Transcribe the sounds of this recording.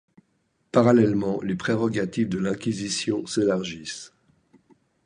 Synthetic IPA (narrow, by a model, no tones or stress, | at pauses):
paʁalɛlmɑ̃lepχeʁɔɡat̪ifd̪əlɛ̃kʲizisjɔ̃selaʁʒis